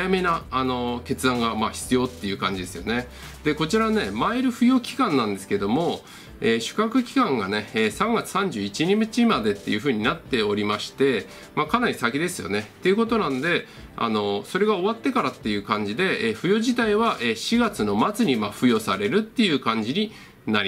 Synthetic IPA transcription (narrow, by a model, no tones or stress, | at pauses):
ame̞naːno̞ke̞t͡sɨd̪ãŋɡamaçi̥t͡sɨjo̞ːt̪ːe̞jɯ̟kã̰ɲ̟d͡ʑid̪e̞sɨjo̞ne̞ | d̪̥e̞ko̞t͡ɕiɾane̞maiɾɯ̟ɸɯ̟jo̞ːkʲi̥kãnːãnd̪e̞sɨ̥ke̞d̪o̞mo̞ | eːɕɨ̥kakɯ̟kʲi̥kãŋɡane̞ːsãŋɡat͡sɨ̥sãɲ̟d͡ʑɨːit͡ɕiɲ̟imɯ̟t͡ɕimad̪e̞t̪ːe̞jɯ̟ɸɯ̟ːɲ̟inat̪ːe̞o̞ɾʲimaɕi̥t̪e̞ | makanaɾʲisakʲid̪e̞sɨjo̞̰net̪ːe̞jɯ̟ko̞t̪o̞nãnd̪e̞ | a̰no̞so̞ɾe̞ɡao̞βat̪ːe̞kaɾat̪ːe̞jɯ̟ːkãɲ̟d͡ʑid̪e̞eːɸɯ̟jo̞ːʑit̪aiβaʔeːɕiɡat͡sɨno̞mat͡sɨɲ̟imaɸɯ̟jo̞saɾe̞ɾɯ̟t̪ːe̞jɯ̟ːkãɲ̟d͡ʑiɲ̟i | naɾʲi